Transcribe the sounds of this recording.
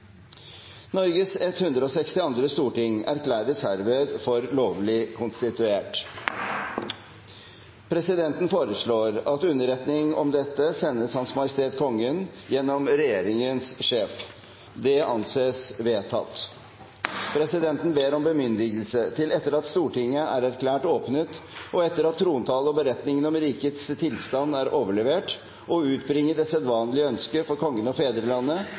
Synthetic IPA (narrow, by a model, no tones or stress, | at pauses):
nɔɾɡəsɛt̪hʉnd̪ɾəoːsɛkst̪ɪɑnd̪ɾəst̪uːʈɪŋæ̰ɾklæːɾəshæɾʋeːd̪fɔɾloːʋlɪkʰʊnst̪ɪt̪ʉeːʈ | pʰɾɛsɪd̪ɛnt̪n̩foːɾəʂɭoːɾɑt̪ʉnːəɾɛt̪nɪŋɔ̰md̪ɛt̪ːəsɛnːəshɑnsmɑjəst̪ʰeːt̪kʰɔŋːənjɛnːɔmɾɛjeːɾɪŋənsʂeːf | d̪ɛɑ̰nseːsʋeːt̪ʰɑ̰t̪ː | pʰɾɛsɪd̪ɛnt̪n̩beːɾɔmbəmʏnd̪ɪɡəlsət̪ʰɪlɛt̪ːəɾɑt̪st̪uːʈɪŋːəʔæɾæɾkʰlæːʈoːpnət̪ɔɛt̪ːəɾɑt̪ʰːɾuːnt̪ʰɑːləɔbəɾɛt̪nɪŋənɔmɾiːkət̪st̪ʰɪlst̪ɑnd̪æɾʔoːʋəɭɛʋeːʈ | ʔɔʉːt̪bɾɪŋːəɖɛsɛt̪ʋɑːnlɪəœnskəfɔɾkʰɔŋːənəɔfeːd̪ɾəlɑnːə